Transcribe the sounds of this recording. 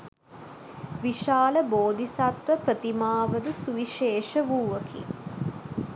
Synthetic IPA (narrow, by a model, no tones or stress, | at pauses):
ʋiʃaːləboːd̪ʱisat̪ʋəpɾət̪imaːʋəd̪usuʋiʃeːʃəʋuːʋəkḭ